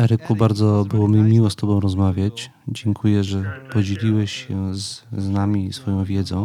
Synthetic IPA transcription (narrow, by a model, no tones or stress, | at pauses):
ɛɾɘkubaɾd̪zɔbɘwɔməmʲiwɔst̪ɔbɔ̃w̃ɾɔzmavʲjat͡ɕ | d͡ʑɛŋkʰujɛʐɛpɔd͡ʑelʲiwɛɕɕɛzznamʲisfɔjɔ̃w̃vʲjɛd̪zɔ̃w̃